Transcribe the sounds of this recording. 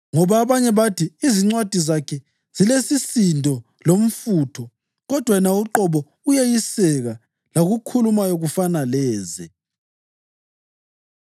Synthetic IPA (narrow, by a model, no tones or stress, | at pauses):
ŋɔβaːβaɲɛβatʰiːziŋ͡ǀwad̥ʱizakʰɛ | z̥ilesisindʱɔ | lom̩fuːtʰɔ | ɣɔd̥ʱwanauǃɔβɔ | ujejisɛɣa | laɣukʰulumajoɣufanalɛːzɛ